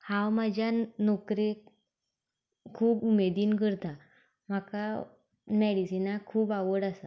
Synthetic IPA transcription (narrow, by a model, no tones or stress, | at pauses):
hãwmad͡ʑʱjanɔkɾe | kʰuːpumed̪iːnkəɾt̪a | m̤aka | mɛɽisinakʰuːbaʋəɽasa